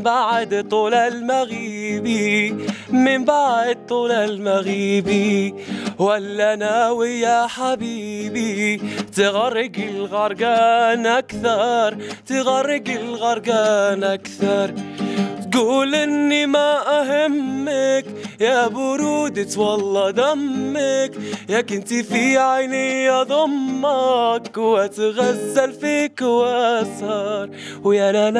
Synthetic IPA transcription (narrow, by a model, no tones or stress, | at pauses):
baʕd̪t̪ˤuːlalmaɣiːbi | mɪmbaʕd̪̚t̪ˤːuːlalmaɣiːbi | walːanaːwijaħabiːbit̪ɪɣarːɪɡɪlɣɑɾˤɡaːnʔakθɑɾˤt̪ɪɣarːɪɡɪlɣɑɾˤɡaːnʔakθɑɾˤt̪ɡuːlʔɪnːimaʔaɦɪmːɪkjabʊɾuːd̪ɪt̪wɑlːɑd̪amːɪkjakɪnt̪ifiʕajnɪjːadðˤʊmːɑkwat̪ɣazːalfikwaʔshɑɾˤ | wjanan